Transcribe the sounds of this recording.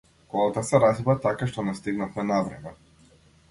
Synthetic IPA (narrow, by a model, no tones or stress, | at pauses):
kɔlˠat̪asɛɾazbɾat̪akaʃt̪ɔnɛst̪iɡnafmɛnavɾɛ̰mɛ